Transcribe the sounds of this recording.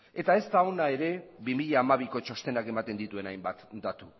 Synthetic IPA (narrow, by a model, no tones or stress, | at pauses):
e̞t̪ae̞st̪ao̞nae̞ɾe̞βimiʎaːmaβ̞iko̞t͡ʃo̞st̪e̞nake̞mat̪e̞nd̪it̪ue̞najmbat̪d̪at̪u